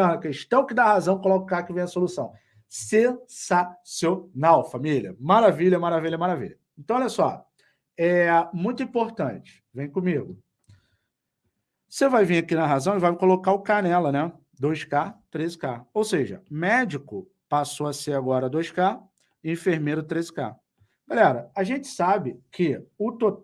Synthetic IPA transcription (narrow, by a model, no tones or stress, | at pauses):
ɐ̃ɐkeʃt̪ɐ̃w̃kɪd̪ahazɐ̃w̃kolɔkʊkakɪvẽj̃ɐsolusɐ̃w̃ | sesasewnawfamiliɐmaɾaviʎɐmaɾaviʎɐmaɾavḭʎɐẽnt̪ɐ̃w̃ɔʎɐsɔ | ɛmũj̃t̪ʊĩpoɾt̪ɐ̃t͡ʃɪ̥vẽj̃kõmiɡʊ | sevajvĩakinɐɦazɐ̃w̃ɪvajkolokaʊkanɛlɐnɛ | d̪ojskat̪ɾezɪkaowseʒɐ̰mɛd͡ʒɪkʊ | pasoɐseɾaɡɔɾɐd̪ojska | ẽfeɾmejɾʊt̪ɾezɪ̥ka̰ | ɡ̥alɛɾɐaʒẽt͡ʃɪ̥sabɪkʰɪʊt̪o